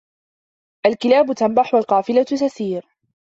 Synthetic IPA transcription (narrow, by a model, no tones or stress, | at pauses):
ʔalkɪlaːbʊt̪ambaħwalqɑːfɪlat̪aθiːɾ